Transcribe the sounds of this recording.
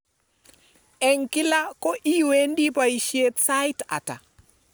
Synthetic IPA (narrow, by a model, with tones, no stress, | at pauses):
ɛ˨ŋkɪ˦la˦ko˦ʔi˦we˦ndi˦pa˨i˨ʃje˦t̪sa˦jta̰˨ta̰˨